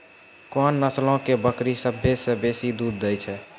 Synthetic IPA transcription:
kɔnːəslõkebəkɾisəbʱjesẽbesid̪ud̪̚ːɛjt͡ʃʰɛ

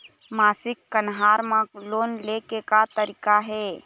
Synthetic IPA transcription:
maːsɪkːənɦaːɾmãloːnlekekat̪əɾiːkaɦɛ

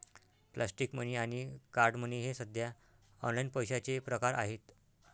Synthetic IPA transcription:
plʔasʈikməniaɽ̃ikaɾɖməniɦesəd̪ʱja | ɔ̰nlainpəjɕat͡sepɾəkaɾʔa̰ɦet̪

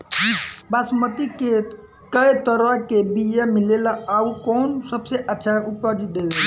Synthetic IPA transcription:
basmət̪ike | kəit̪əɾəkebijãmɪlelaaukɔːnsəbseʔətːʃʰaʊpjod͡ʒit̪̚d̪ele

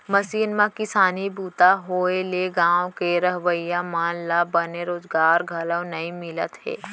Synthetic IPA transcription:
mɐsiːnmãkɪsaːnibuːt̪aɦoːeleɡãːõkeɾɐɦʋəijamaːnlabɐneɾoːzɡaːɾɡʱɐlə̃wnɐĩmɪlət̪ɦɛ̰ː

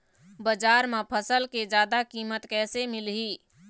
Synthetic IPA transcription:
bəd͡ʒaɾmepʰəsəlked͡ʒad̪akimət̪kɛːsemilɦi

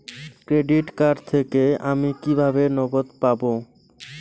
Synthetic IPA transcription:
kɾeɖiʈkaɾɖt̪ʰekeamikibʱabenɔɡot̪pabo

